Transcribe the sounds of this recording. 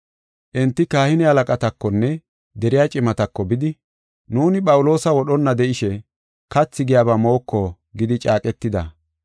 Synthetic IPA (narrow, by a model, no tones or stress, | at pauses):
ʔɪnt̪ːɪkaːhɪnɛhɐlɐkʼɐt̪ɐkːɔnːɛ | d̪ɛɾɪjaːt͡ʃʼɪmɐt̪ɐkːɔbɪd̪ɪ | nuːnɪpʼɐwʊlo̞ːsɐwɔɗɔnːɐd̪ɛʔɪʃɛ | kɐt͡sːɪɡɪjaːbɐmo̞ːkːɔ | ɡɪd̪ɪt͡ʃʼaːkʼɛt̪ːɪd̪ɐ